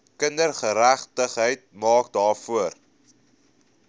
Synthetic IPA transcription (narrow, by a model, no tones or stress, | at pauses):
kəndərχəɾæχtəχɦəjt̚mɑːkdɑːrfuər